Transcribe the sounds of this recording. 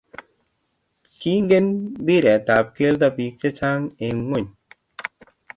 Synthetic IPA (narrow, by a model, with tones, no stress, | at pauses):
ki˦ŋ˦ɡe˦nbi˦ɾɛ˨ta˨p̚ke˦lta˧pi˧k̚t͡ʃe˦t͡ʃa˦ŋe˨ŋwo˦˨ɲ